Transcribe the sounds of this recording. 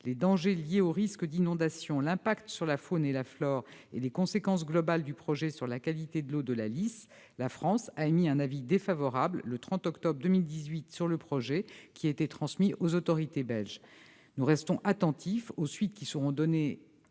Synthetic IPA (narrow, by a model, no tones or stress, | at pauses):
led̪ɑ̃ʒeljeoʁiskd̪inɔ̃d̪asjɔ̃lɛ̃pakt̪syʁlafonelaflɔʁḛlekɔ̃sekɑ̃s̬ɡlɔbald̪ypχɔʒɛsyʁlakalit̪ed̪əlod̪əlalis | lafχɑ̃saemiɛ̃navid̪efavɔʁabllət̪χɑ̃t̪ɔkt̪ɔbʁd̪əmild̪izɥit̪syʁləpχɔʒɛkʲiaet̪et̪χɑ̃smiʔozot̪ɔʁit̪ebɛlʒ | nuʁɛst̪ɔ̃ʔat̪ɑ̃t̪ʰifosɥit̪̚kʲisəʁɔ̃d̪ɔne